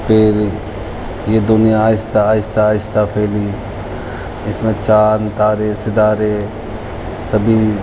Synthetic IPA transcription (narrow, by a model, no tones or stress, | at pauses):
pʰɪɾ | jed̪ʊnijãaːɪst̪aaːjɪst̪ʰaːɪst̪ʰapʰeːli | ɪsmẽt͡ʃaːnt̪aːɾesɪd̪aːɾe | səbʱi